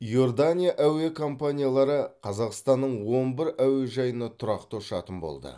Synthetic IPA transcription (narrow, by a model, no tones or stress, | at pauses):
jo̞rd̪anʲijaʔæwe̞kʰo̞mpanʲijalˠɑɾəqʰɑzɑqst̪ɑnːəɴwo̞nbɪɾæwe̞ʒɑjənɑt̪ʰʊɾɑqt̪oʃɑt̪ənbo̞̰lˠd̪ə̰